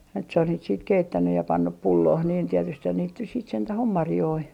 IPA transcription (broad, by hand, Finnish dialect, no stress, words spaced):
jɑ nyt se on niːt siːt keitːænːy jɑ pɑnːup pulːoːh niːn tietysthæn niːt nys siːt sentæh om mɑrjoi